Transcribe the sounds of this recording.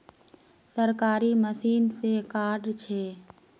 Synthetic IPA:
səɾkaːɾiməsiːnsekaːɖt͡ʃʰeː

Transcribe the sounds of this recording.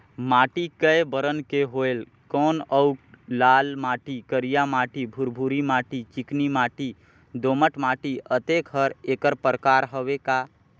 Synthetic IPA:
maːʈikəjbəɾənkeɦoel | kɔːnəʊk | laːlmaːʈikəɾijamaːʈibʱuɾbʱuɾimaːʈit͡ʃiknimaːʈi | d̪oməʈmaːʈiət̪ekɦəɾekəɾpɾəkaːɾɦəʋeka

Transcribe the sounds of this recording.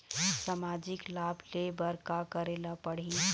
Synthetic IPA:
samaːd͡ʒɪklaːbleːbəɾkakɐɾeːlapɐɽ̤i

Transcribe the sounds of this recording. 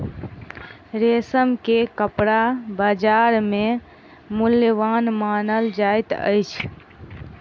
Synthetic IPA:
ɾesəmkekəpɽabad͡ʒaɾme | muljəʋanmanəld͡ʒajt̪ə̰jt͡ʃʰ

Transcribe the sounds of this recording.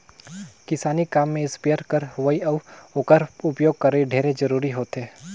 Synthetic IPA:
kɪsaːnikaːmːẽɪspeːɾkəɾʋɐiɐʋoːkəɾʊpjoːɡ̚kɐɾeiɖʱeːɾed͡ʒɐɾuːɾiɦoːt̪ɦeː

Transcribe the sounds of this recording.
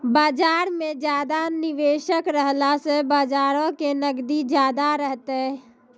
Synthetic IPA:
baːd͡ʒaːɾmẽd͡ʒjaːd̪anɪʋeːʃəkɾəɦlasebaːd͡ʒaːɾõkenəɡd̪id͡ʒjaːd̪aɾəɦt̪eɦɛ

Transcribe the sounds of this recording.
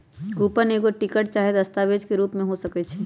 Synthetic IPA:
kuːpəneːkoʈɪkəʈ̚t͡ʃaːɦed̪ɐst̪aːʋeːd͡ʒkeɾuːpmẽɦosɐkɛt͡ʃʰɛ

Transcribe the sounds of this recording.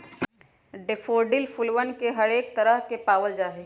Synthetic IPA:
ɖefʰoːɖɪlfʰʊlʋənkeɦɐɾeːk̚t̪əɾəɦkepaːʋəld͡ʒaːɦe

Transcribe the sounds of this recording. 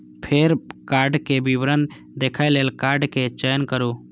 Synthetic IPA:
pʰeɾkaɾɖkebibɾən | d̪ekʰajlelkaɾɖket͡ʃəjənkəɾu

